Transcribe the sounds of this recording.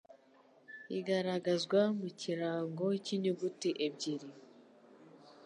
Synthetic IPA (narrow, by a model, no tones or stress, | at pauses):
iɡaɾaɡazɡwamuciɾaːŋɡo̞ciɲuɡutiʔeb̚ɟiɾi